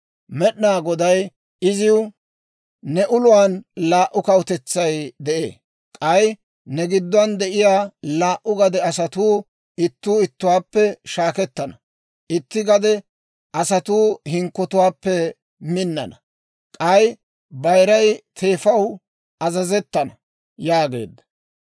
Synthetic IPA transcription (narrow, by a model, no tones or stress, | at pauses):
mɛɗnaːɡɔd̪ɐj | ɪzɪw | nɛʔʊlʊwaːnlaːʔʊkɐwt̪ɛt͡sːɐjd̪ɛʔḛː | kʼɐj | nɛɡɪd̪ːʊɐnd̪ɛʔɪjaːlaːʔʊɡɐd̪ɛɐsɐt̪uː | ɪt̪ːuːɪt̪ːʊwaːpːɛʃaːkɛt̪ːɐnɐ | ʔɪt̪ːɪɡɐd̪ɛ | ʔɐsɐt̪uːhɪŋkːɔt̪ʊwaːpːɛ | mɪnːɐ̰nɐ | kʼɐj | bɐjɾɐjt̪ʰe̞ːfɐw | ʔɐzɐzɛt̪ːɐnɐ | jaːɡe̞̰ːd̪ːɐ̥